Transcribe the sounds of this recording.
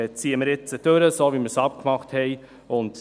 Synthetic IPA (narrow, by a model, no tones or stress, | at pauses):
t͡siːəməɾɪt͡səd̥øɾəsoːviməɾsɑp̚kmɑχthɛɪ | ʊnt